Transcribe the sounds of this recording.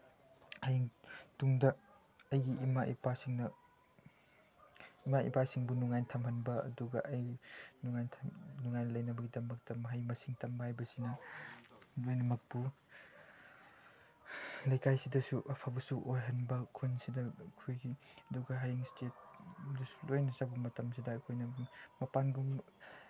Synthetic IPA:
hajiŋtuŋdɐ | ɐjɡiːmaʔipasiŋnɐ | imaḭpasiŋbunuŋajntʰɐmhɐnbɐɐ̰duɡɐʔɐjɡinuŋajntʰnuŋajnɐlɐjnɐbɐɡidɐmɐk̚tɐmɐɦajmɐsiŋtɐmbɐhajbɐsinɐ | lojnɐmɐk̚pu | lɐjkʰajsidɐsuʔɐpʰabɐsuʔojɦɐnbɐkʰunsidɐkʰujɡiɐduɡɐɦajiŋstet̚dɐsu̥lojnɐzabumɐtɐmsidɐːkʰojnɐmɐpanɡum

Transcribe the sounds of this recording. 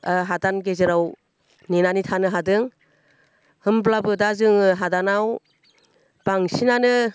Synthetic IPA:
ɦadanɡezɯɾaw | ninanitʰanɯɦadɯŋ | hɯmblabɯdazɯŋɯɦadanaw | b̥aŋsinanɯ

